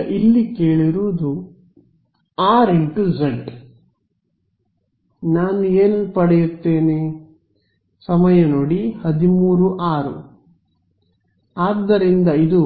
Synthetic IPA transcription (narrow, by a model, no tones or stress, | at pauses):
ʔilːikeːɭiɾuʋːd̪u | aːɾeɳʈud͡ʒɐɳɖ | naːnueːnpɐɽɛjut̪ːe̞ːne | sɐmɐjɐno̞ːɽihɐd̪imuːɾuʔaːɾṵ | aːd̪ːɐɾind̪ɐid̪u